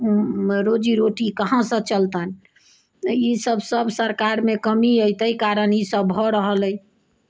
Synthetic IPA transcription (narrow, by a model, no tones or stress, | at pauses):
ɾod͡ʒiɾoʈikəɦãsə̃t͡ʃəlt̪ən | isəbsəbsəɾkaɾmekəmiəjt̪əikaɾənisəbɦɔɾəɦələj